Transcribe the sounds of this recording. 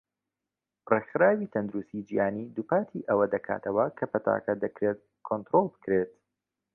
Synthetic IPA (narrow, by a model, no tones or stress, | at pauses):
rexɨɾaːwiːt̪ʰɐnd̪ʊɾust̪id͡ʒihaːniːd̪upaːt̪ʰiʔɐwɐd̪ɐkʰa̰ːt̪ʰɐwɐkʰɐpɐt̪ʰa̰ːkɐd̪ɐkɾet̪̚ | kʰont̪ɾolˠbɨ̥kɾet̪